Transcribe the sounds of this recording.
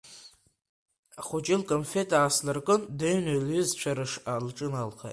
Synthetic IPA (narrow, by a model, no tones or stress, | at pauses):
aχʷʊt͡ʃʼɪlkʼonfetʼaːslarkʼɨndeɥnelizt͡ɕʷʰaɾɨʂalʈ͡ʂʼɨnalχa̰